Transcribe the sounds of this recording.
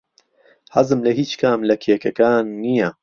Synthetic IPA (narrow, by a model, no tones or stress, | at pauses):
hɐzɨmlɐɦiːt͡ʃkʰaːmlɐkʰekɐkaːnːijɐ